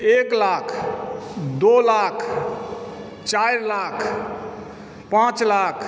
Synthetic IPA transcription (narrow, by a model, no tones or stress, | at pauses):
eklakʰ | d̪olakʰ | t͡ʃaiɾlakʰ | pãt͡ʃlakʰ